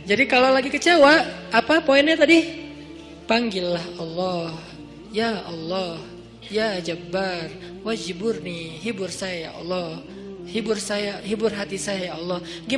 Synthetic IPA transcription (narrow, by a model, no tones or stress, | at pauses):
d͡ʒadikalolaɡikət͡ʃawaːpapoɪnɲat̪adi | paŋɡɪlːahɔlːɔh | jaʔɔlːɔh | jad͡ʒabːar | wad͡ʒibʊrnɪɦibʊrsajaja̰ʔɔ̰lːɔh | hibʊrsajaɦibʊrɦat̪isajajaɔlːɔh | ɡi